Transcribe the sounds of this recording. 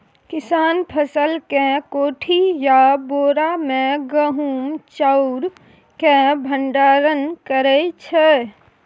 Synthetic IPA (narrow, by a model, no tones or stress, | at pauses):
kɪsaːnpʰəsəlkẽkoʈʰijaboːɾamẽɡəɦumt͡ʃəʊɾ | kẽbʱəɳɖaːɾənkəɾɛt͡ʃʰɛ